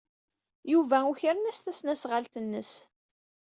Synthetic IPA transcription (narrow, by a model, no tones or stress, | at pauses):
juvæuçəɾənæst̪æsnæsʁalt̪ənːəs